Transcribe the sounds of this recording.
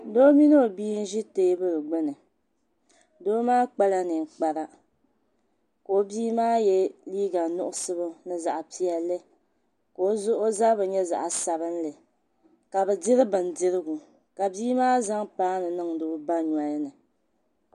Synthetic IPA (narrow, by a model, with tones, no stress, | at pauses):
do˦mi˦nɨ˦o˨biː˦n̩˦ʒi˦te˦bɨ˦lɨ˨ɡ͡bʊ˦nɨ˨ | doː˦maː˦k͡pa˦la˦nɨ˨ŋ˨k͡pa˨ɾa˦ | ko˨o˦biː˦maː˦jɛ˦liː˦ɡa˨nʊ˦ʔʊ˦sɨ˦bɨ˦nɨ˦za˨ʔa˨pi˦ɛ˨lːɨ˦ | ko˨o˦zʊ˦ʔo˦za˦bɨ˨ɲɛ˦za̰˨ʔa˨sa˨bɨ˦n˦lɨ˨ | ka˨bɛ˨dɪ˦ɾɨ˦bɨ˨n˨dɪ˦ɾɨ˦ɡu˨ | ka˨biː˦maː˦za˦ŋpaː˦nɨ˨nɨ˦ŋdo˦ba˦ɲa˦jnɨ˨